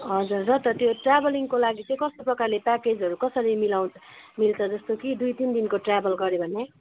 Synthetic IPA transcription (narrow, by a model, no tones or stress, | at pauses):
ɦʌd͡zurːʌt̪ʌt̪joʈrabʌliŋkolaɡit͡sʌ̃ĩkʌst̪oprʌkarlepaked͡zʌɾukʌsʌɾimilaw̃milt͡sʰʌd͡zʌst̪okid̪ujt̪ind̪inkoʈrabʱʌlɡʌɾjebʱʌne